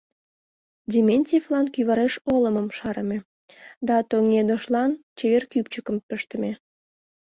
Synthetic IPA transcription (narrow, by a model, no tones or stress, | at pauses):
dʲimʲenʲtʲiflɑnkyβɑɾeʃoləməmʃɑɾəme | d̪ɑt̪oŋed̪oʃlɑnt͡ɕeβerkypt͡ɕəkəmpəʃt̪ə̆me